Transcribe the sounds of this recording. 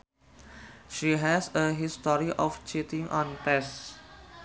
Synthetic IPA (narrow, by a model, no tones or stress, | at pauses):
ʃiɦɛsəɦistɔɾiʔɔft͡ʃetĩŋʔɔ̃npɛs